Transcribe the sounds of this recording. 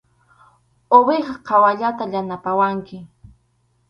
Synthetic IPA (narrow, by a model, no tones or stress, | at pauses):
oβeχɑqʰɑwaʎat̪aʎanapawaŋkɪ